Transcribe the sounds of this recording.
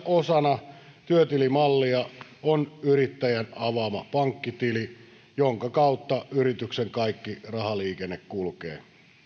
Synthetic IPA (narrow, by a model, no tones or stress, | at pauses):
osɑnɑt̪yøt̪ilimɑlːiɑonyrit̪ːæjænɑʋɑmɑpɑŋkːit̪ili | joŋkɑkɑut̪ːɑyɾit̪ykseŋkɑikːirɑhɑliːkenːekkulkḛː